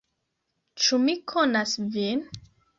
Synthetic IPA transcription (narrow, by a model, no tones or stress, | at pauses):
t͡ʃumikʰonasvin